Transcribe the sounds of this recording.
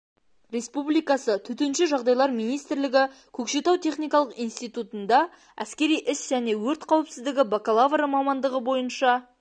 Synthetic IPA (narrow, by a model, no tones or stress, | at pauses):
ɾʲe̞spublijkɑsət̪ʰɵt̪enʃɪʒɑʁd̪ɑjlˠɑɾmijnijst̪ɪɾlɪɡʲɪ | kʲʰɵkʃe̞t̪ɑwt̪ʰe̞χnijkɑlˠəqijnst̪ijt̪ut̪ənd̪ɑ | æ̰skʲe̞ɾijʔɪsʒ̥æne̞wɵɾt̪qʰɑwəpsɪzd̪ɪɡʲɪbakalˠavɾəmɑmɑnd̪əʁəbo̞jənʃɑ